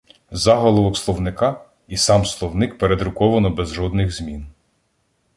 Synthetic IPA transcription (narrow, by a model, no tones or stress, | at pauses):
zɑɦɔlˠɔʋɔkslˠɔwnɪkɑ | isɑmslˠɔwnɪkpeɾed̪ɾʊkɔʋɐnɔbɛzʒɔd̪nɪɣzmʲin